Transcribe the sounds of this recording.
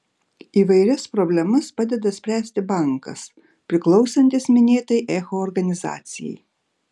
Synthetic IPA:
iːʋɐɪɾʲɛspɾobʲlʲɛmɐspɑd̪ʲɛd̪ɐsʲpʲɾʲæːsʲt̪ʲɪbɐŋkɐ̰s | pʲɾʲɪklˠɒʊsɐnʲt̪ʲɪsmʲɪnʲeːt̪ɐjʔɛxoːɾɡɐnʲɪzɑ̰ːt̪sʲɪjɛ̰j

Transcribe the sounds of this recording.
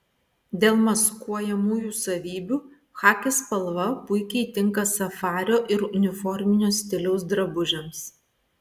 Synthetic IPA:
d̪ʲeːlˠmɐskuɔjɛmuːjuːsɐʋʲiːbʲuː | xɑːkʲespɐlˠʋɐpʊɪkʲɛɪt̪ʲɪŋkɐsɐfɑːɾʲoːʔɪɾʊnʲɪfɔɾʲmʲɪnʲoːsʲt̪ʲɪlʲɛʊsd̪ɾɐbʊʒʲɛms

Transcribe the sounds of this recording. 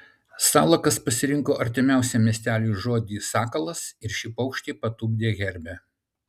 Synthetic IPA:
sɑːlˠɐkɐspɐsʲɪɾʲɪŋkoːʔɐɾʲt̪ʲɪmʲæˑʊsʲɛmʲiɛsʲt̪ʲæːlʲuːʒoːd̪ʲiːsɑːkɐlˠɐsɪɾʃʲɪpɐʊkʃʲt̪ʲiːpɐt̪uːɡ̚ʲd̪ʲeːɣʲɛɾʲbʲæ

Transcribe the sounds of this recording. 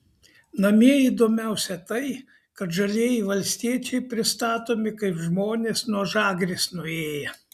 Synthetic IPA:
nɐmʲiɛiːd̪oːmʲɛʊsʲɛt̪ɐɪ | kɐt̪ʒɐlʲeːjɪʋɐlʲsʲt̪ʲiɛt͡ʃʲɛɪpʲɾʲɪst̪ɑːt̪oːmʲɪkɐɪpʒmoːnʲeːsnuɔʒɑːɡɾʲesnʊeːjɛ

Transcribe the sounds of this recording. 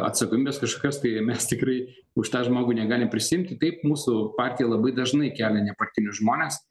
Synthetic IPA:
ɐ̰t̪sɐkoːmʲiːbʲɛːskɐʃkoːkʲɛst̪ɐɪmʲɛst̪ʲɪkɾɐɪ | ʊʃt̪ɑːʒmoːɡʊnʲɛɡɑːlʲɪmpʲɾʲɪsʲɪɪmʲt̪ʲɪt̪ɐɪp̚muːsʊpɑːrʲt̪ʲɪjɛlˠɐbɐɪd̪ɐʒnɐɪkʲæːlʲɛnʲɛpɐrʲt̪ʲɪnʲʊsʒmoːnʲes

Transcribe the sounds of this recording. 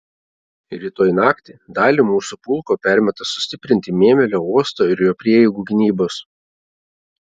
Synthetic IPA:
ɪɾʲiːt̪oːjnɑːkt̪ʲɪd̪ɑːlʲiːmuːsupʊlˠkoːpʲæˑɾʲmʲɛt̪ɐsʊ̥sʲt̪ʲɪpʲɾʲɪnʲt̪ʲɪmʲeːmʲɛlʲoːuɔst̪oːɪɾjoːpʲɾʲiɛɛɪɡuːɡʲɪnʲiːboːs

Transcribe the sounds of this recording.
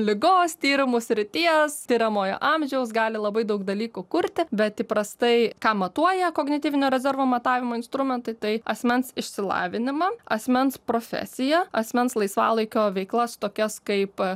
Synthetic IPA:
lʲɪɡoːst̪ʲiːɾʲɪmuːsʲɾʲɪt̪ʲiɛstʲiːɾʲɐmoːjo̰ːʔɑmʲʒʲɛʊs̬ɡɑːlʲɪlˠɐbɐɪd̪ɐʊkd̪ɐlʲiːkukʊɾʲt̪ʲɪbʲɛt̪tʲiːpɾɐst̪ɐɪkɑːmɐt̪uɔjɛkoːɡnʲɪt̪ʲiːʋʲɪnʲoːɾʲɛzʲɛrʋoːmɐt̪ɑːʋʲɪmoːɪnst̪ɾʊmʲɛnt̪ɐɪt̪ɐɪɐsʲmʲɛnsɪʃʲsʲɪlˠɑ̰ːʋʲɪnʲɪmɐɐsʲmʲɛnspɾoːfʲɛ̰sʲɪjɛɐsʲmʲɛnslˠɐɪsʋɑ̰ːlˠɐɪkʲoːʋʲɛɪklˠɐst̪oːkʲɛskɐɪp

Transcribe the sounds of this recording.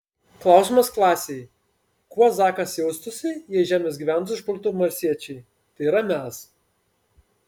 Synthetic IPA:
klˠɑˑʊsʲimɐsklˠɑːsʲɛj | kuɔzɑːkɐsjɛʊst̪ʊsʲɪjiɛʒʲæːmʲesɡʲiʋʲæˑnt̪ɪʃpʊlʲt̪uːmɐɾʲsʲiɛt͡ʃʲɛɪ | t̪ɐɪiɾɐmʲæs

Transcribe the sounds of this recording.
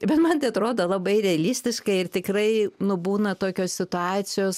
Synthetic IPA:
bʲɛt̪mɐnt̪ʲeɪɐt̪ɾoːd̪olˠɐbɐɪɾʲɛɐlʲɪsʲt̪ʲɪʃkɐɪɪrt̪ʲɪkrɐɪnʊbuːnɐt̪oːkʲoːssʲɪt̪ʊɑːt͡sʲɪjoːs

